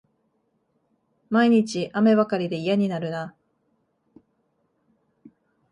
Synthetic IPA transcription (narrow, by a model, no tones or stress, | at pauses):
maiɲ̟it͡ɕiʔame̞βakaɾʲid̪e̞ijaɲ̟inaɾɯ̟na